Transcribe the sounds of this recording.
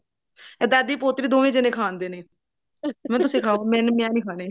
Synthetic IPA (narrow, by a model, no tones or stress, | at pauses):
ɛd̪aːd̪iːpoːt̪ɾiːd̪oːʋẽːd͡ʒɪnẽːkʰaːnd̪eːneː | mɛ̃ːt̪ʊsĩːkʰaːoːmɛ̃ːnmɛ̃ːnĩːkʰaːneː